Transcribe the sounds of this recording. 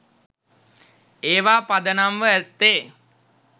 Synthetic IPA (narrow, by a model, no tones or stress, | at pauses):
eːʋaːpad̪ənamʋəæt̪ːeː